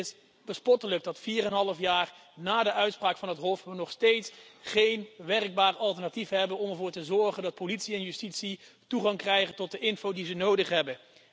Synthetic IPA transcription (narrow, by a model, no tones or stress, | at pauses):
ɪs | bəspɔtələk̚dɑtfiːrɛnɦɑlˠəfjaːrnaːdəʔœɥtspraːkfɑnɦətɦɔfʋənɔχstejtsχejnʋɛrəɡ̚baːrɑlˠtəɹnatifɦɛbənɔmɛɹvʊːɹtəzɔɹχəndɑt̚politsiɛnjystitsituχɑŋkrɛjχəntɔt̚dəʔɪnfowdizənowdəχɦɛbən